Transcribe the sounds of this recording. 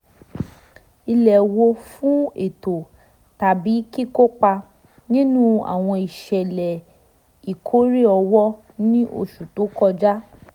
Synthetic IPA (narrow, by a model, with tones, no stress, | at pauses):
i˧lɛ˨wo˧fũ˦e˨to˨ | ta˨bi˨˦ki˦ko˦k͡pa˧ | nĩ˦nũ˦a̰˨w̃ɔ̃˧i˨ʃɛ˨lɛ˨ | i˨kʰo˨˦ɾi˦ɔ˧wɔ˦ | nĩ˦ʔo̰˧ʃu˨to˨˦kɔ˧d͡ʒa˦